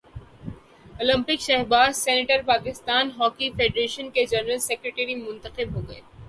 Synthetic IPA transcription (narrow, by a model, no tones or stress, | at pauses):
oːlə̃mpɪkʃɛɦbaːzsɛːnɪʈəɾpaːkɪst̪aːnɦɔːkifeːɖɾeːʃənked͡ʒɐnəɾəlsɛkɾeʈeɾimʊ̃nt̪əqɪbɦoːɡɐeː